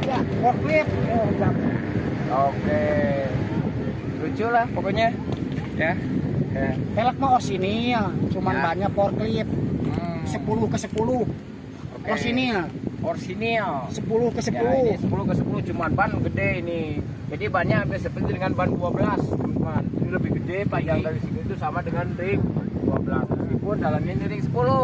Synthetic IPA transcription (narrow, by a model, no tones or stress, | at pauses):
japɔrklip̚oda | oke | ɾud͡ʒulahpɔkoɲa | ja | japelak̚maɔrsiniat͡ʃumanbaɲakɔrklip̚ | səpuluhkəsəpuluh | ɔrsiniʔɔrsiniasəpulʊhkəsəpulʊsəpuluhkəsəpuluhd͡ʒumanbanɡədɛini | d͡ʒadibaɲabiasəpərt̪idəŋanbanduabəlasumanit̪uləbɪhɡədɛpaɡaŋdaɾisitut̪usamadəŋanɾim̚duabəlasmaskipʊndalaminiɾiksəpulʊ